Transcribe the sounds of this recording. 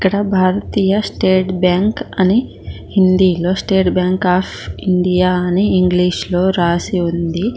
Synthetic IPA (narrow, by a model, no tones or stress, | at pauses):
ikːɐɽɐbʱaːɾɐt̪iːjɐsʈeːʈbjaːŋkɐni | hind̪iːloːsʈeːʈbjaːŋkaːpʰiɳɖijaːɐniːŋɡliːʂloːɾaːsiund̪i